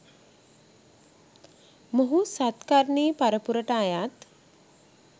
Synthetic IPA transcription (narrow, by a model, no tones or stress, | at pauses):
moɦusat̪kaɾɳiːpaɾəpuɾəʈaːjat̪